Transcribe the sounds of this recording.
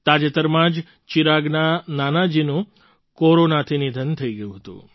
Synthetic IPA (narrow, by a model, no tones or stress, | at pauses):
t̪ad͡ʒet̪əɾmãd͡ʒ | t͡ʃiɾaɡnananad͡ʒinũ | koɾonat̪ʰinid̪ʱənt̪ʰəiɡəjũɦət̪ṵ̃